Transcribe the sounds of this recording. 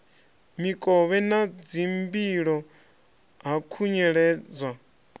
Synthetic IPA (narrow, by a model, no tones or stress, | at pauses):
mikʼɔβɛnad͡zimbiɺɔ | ɦakʰuɲɛɺɛːd͡zwa